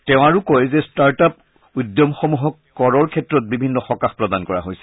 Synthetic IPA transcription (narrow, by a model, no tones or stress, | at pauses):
tɛʊ̃aɹukojzɛstaɹtap | udjɔmxomuɦɔkːɔɹɔɹkʰɛtːɹɔt̚bibʱinːɔxɔkaxpɹɔdankɔɹa̰ɦojsɛ̥